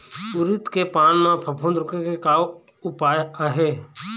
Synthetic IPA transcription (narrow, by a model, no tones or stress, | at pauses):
ʊɾɪt̪kepaːnmãpʰəpʰũnd̪ɾʊkekekaːo | ʊpaːjaːɦeː